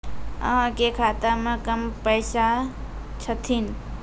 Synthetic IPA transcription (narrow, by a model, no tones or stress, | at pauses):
ə̰ɦãkekʰat̪əɾmẽkəmpəjsa | t͡ʃʰət̪ʰin